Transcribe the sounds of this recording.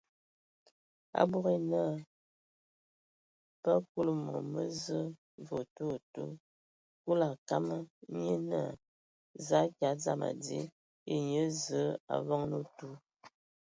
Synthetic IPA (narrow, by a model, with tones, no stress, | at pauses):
a̰˦bu˦ɣe˦nə˦˨ | pə˦ku˦lə˦˨mo̰˨mə˦zə˦ | vo˨tu˦˨tṵ˦ | ku˦la˨ka˦mə˦ɲə˦na˦˨ | za˦kja˨˦d͡za˦ma̰˨dḭ˦ | e˦ɲə˦zə˨˦a̰˨vɔ˦ŋnu˦tu˦